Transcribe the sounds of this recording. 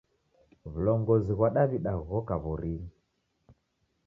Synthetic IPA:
βulɔŋɡɔziɣwaɗaβiɗaɣɔkaβuɾiŋ

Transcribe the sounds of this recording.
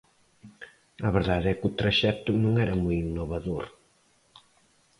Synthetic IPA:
ɐβeɾðaðɛkut̪ɾaʃɛt̪ʊnũŋɛɾɐmujinːoβaðoɾ

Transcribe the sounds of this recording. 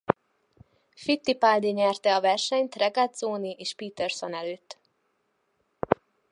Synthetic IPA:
fit̪ːipaːld̪iɲɛrt̪ɛɒvɛrʃɛɲt̪rɛɡad̪zoːniʔeːʃpiːt̪ɛrsonɛløːt̪ː

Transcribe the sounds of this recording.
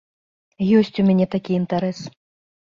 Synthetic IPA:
jɔsʲt͡sʲumʲanʲɛt̪akʲiint̪aɾɛs

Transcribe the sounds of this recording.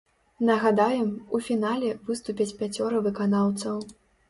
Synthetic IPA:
nɐɣad̪ajɛmufʲinalʲɛvɨst̪upʲɐt͡sʲpʲat͡sʲɔɾɨvɨkanawt̪sɐw

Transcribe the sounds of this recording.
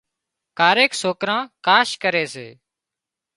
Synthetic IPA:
kaːɾeːksoːkɾãːkaːʃkəɾeːsḛː

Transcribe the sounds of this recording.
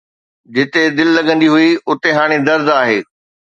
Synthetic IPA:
d͡ʑɪt̪ed̪ɪllɐɠə̃nd̪iɦʊiʊt̪eɦaːɽ̃id̪ɐɾd̪aːɦeː

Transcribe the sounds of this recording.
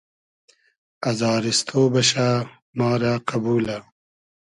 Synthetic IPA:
ɐzaːɾist̪ʰoːbɐɕa | maːɾaːqɐbuːla

